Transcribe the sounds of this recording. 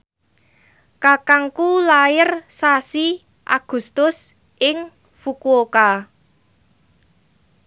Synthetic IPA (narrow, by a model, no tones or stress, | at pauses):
kakaŋkulaɪrsasi | ʔa̰ɡ̥ṳst̪ʊs | ʔɪŋ | fukuoka